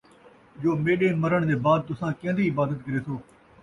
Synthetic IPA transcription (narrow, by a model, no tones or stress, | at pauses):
d͡ʒoːmeːɗẽːməɾəɳ̃d̪eːbaːd̪̚t̪ʊsãːkẽːnd̪iːɪbaːd̪ət̪̚kəɾeːt̪ʰoː